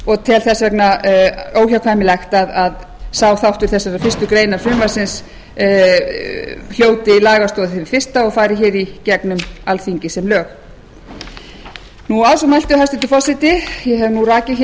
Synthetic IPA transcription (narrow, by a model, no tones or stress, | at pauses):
ɔɣt̪ʰɛlθɛsvɛknaoːwçawkʰvajmɪlɛxt̪aðað | saːwθawht̪ʏɾ̥θɛsːaɾafɪst̪ʏkɾeːjnaɾ̥fʏmvasɪns | l̥joːwt̪ɪlaːɣast̪oːðɪθɪvɪfɪr̥st̪aɔɣfaːjɾɪçɛɾicɛknʏmalθiɲcɪsɛmlœːx | nuaːwsɔmajlt̪ʏhajst̪ɪt̪ʏfɔsɪt̪ɪjɛɦɛvnuraːcɪç